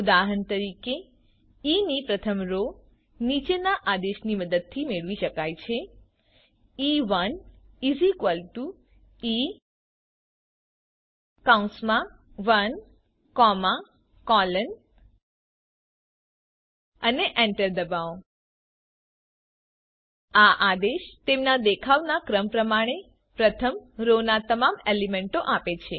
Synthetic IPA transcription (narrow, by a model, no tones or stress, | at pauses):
ʊd̪aɦənt̪əɾike | inipɾət̪ʰəmɾo | nit͡ʃenaʔad̪eʃniməd̪əd̪̚t̪ʰimeɭʋiʃəkajt͡ʃʰe | iʋən | izikʋəlʈu | i | kaũsmã | ʋən | kɔma | kɔlən | əneʔɛ̃ɳʈəɾd̪əbao | aʔad̪eʃt̪emnad̪ekʰaʋnakɾəmpɾəmaɽ̃e | pɾət̪ʰəmɾonat̪əmamelimeɳʈoʔapet͡ʃʰe